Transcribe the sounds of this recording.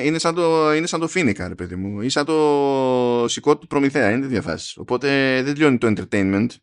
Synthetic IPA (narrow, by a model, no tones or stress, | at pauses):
ine̞sɐnd̪oinesɐnd̪o̞finikɐ̰ɾe̞pe̞ðimuisɐnt̪o | siko̞t̪upɾo̞miθe̞ɐinet̪izðjɐfɐ̰si̥so̞̰po̞t̪e̞ðed̪ʎonit̪oent̪e̞ɾt̪ejnment̪